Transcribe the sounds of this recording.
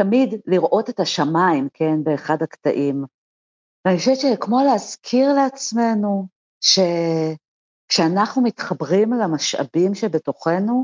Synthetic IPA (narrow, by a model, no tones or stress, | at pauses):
tamidliʁʔo̞tetaʃamaimkʰe̞nbeːχadhakta̰ʔim | vaniχaʃevett͡ʃekmo̞leazkʰiʁleat͡sme̞nu | ʃe̞ | kʃeanaχnumitχabʁimlamaʃa̰bimʃebe̞to̞χe̞nu